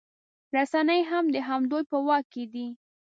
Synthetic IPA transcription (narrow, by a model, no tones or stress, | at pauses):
ɾasanəjɦamd̪əɦamd̪ojpəwɑked̪i